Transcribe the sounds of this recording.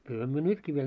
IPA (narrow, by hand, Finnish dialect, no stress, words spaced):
kylhæ myø nytkiː ʋiel